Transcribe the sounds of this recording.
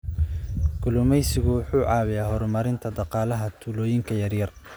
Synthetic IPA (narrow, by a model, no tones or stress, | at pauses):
ɡʰʊlʊmɛjsɪɣʊwʊħuːʕɑːwɪjaːɦɔɾmɐɾɪnt̪ʰɐd̪ɑqɑːlɐɦɐt̪ʰuːlɔːjɪŋkʰɐjɐrjɐr